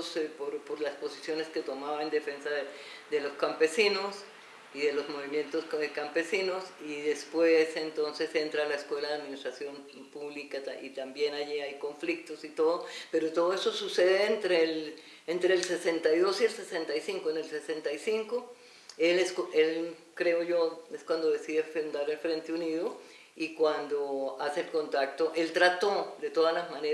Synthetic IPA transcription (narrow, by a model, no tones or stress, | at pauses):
spoɾpoɾlaspo̞sisjo̞ne̞ske̞t̪omaβaend̪e̞fe̞nsaðed̪e̞loskampe̞sino̞s | iðe̞lozmo̞βimje̞nt̪oskampe̞sino̞siðe̞spwe̞se̞nt̪o̞nse̞se̞nt̪ɾalaeskwe̞laðeaðminist̪ɾasjo̞m | puβlikat̪ait̪ambje̞naʝiajko̞ɱflik̚t̪o̞sit̪o̞ðope̞ɾot̪o̞ðoesosuseðeːnt̪ɾel | ent̪ɾeːlse̞se̞nt̪ajðo̞sielse̞se̞nt̪ajsiŋkoene̞lse̞se̞nt̪ajsiŋko | eleskoʔe̞l | kɾe̞oʝo̞eskwand̪o̞ðe̞siðefeund̪aɾelfɾe̞nt̪euniðo | ikwand̪oaseelko̞nt̪ak̚t̪oʔe̞lt̪ɾat̪o̞d̪e̞t̪o̞ðalazmãne